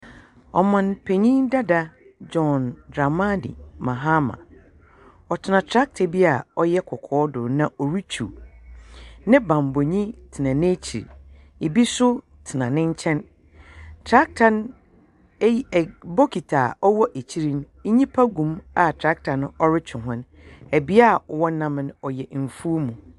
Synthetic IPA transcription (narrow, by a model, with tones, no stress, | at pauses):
ɔ̰˨mã˨npʰe˨ɲĩ˦nda˦da˦d͡ʒɔ˨ndɾa˨ma˦dḭ˨mã˨ɦa˦mã̰˨ | ɔ˨tʰɪ˨nã˨tʰɾa˦k̚tʰe˨bi˦a˨ɔ˦jɛ˦kʰɔ˨kʰɔː˦dʊ̰˨nã˨ʔɔ˨ɾi˦t͡ɕʰṵ˨ | nɪ̃˦bã˨mbo˨ɲĩ˦tʰɪ˨nã˨nẽ˦t͡ɕʰḭ˨ɾ | e˨bi˦sʊ˦ | tʰɪ˨nã˨nɪ̃˦ɲ˦t͡ɕʰɛ̃˦n | tʰɾa˦k̚tʰã˨n˦˨ | bo˦kʰi˨tʰaː˨ɔ˦wɔ˦ʔe˨t͡ɕʰi˦ɾi˦n˦ | ɲĩ˦pʰa˦ɡũ˨ma˦tʰɾa˦k̚tʰã˨n˦ɔ˦ɾɪ˦t͡ɕʰʊ̃˨ɦʊ̃˦n | æ˨bi˦a˦˨ɔ˨wɔ˦nã˦m˦nɔ˨jɛ˨m̩˨fu˦mũ˨